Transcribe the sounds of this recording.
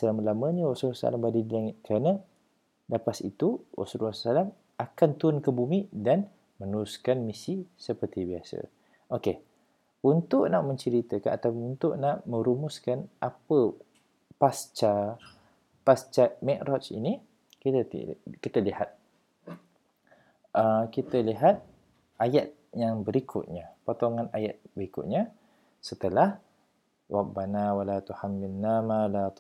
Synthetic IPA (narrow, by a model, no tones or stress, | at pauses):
səlaməlaməɲəwosuɾasa̰lambadidilaŋɪt̪̚kɾanə̃ | dapasḭt̪uwo̰suɾasalam | akant̪unkəbumidan | mə̃nuɾʊskanmisisəpərt̪ibiasə̰ | oke | unt̪ʊʔnaʔmə̃ɲt͡ʃəɾit̪əkanat̪apʊnunt̪ʊʔnaʔmə̃ɾumʊskanʔapə | past͡ʃa | past͡ʃamɛʔɾʔɔt͡ʃḭni | kit̪əḭkit̪əlihat̪̚ | ʔəkit̪əliɦat̪̚ | ʔajat̪̚ | jaŋbəɾikʰʊ̰t̪̚ɲapot̪oŋãnajat̪̚bəɾikʊ̰t̪̚ɲa | sət̪əlah | wʔak̚banawalat̪uhamːinamalat̪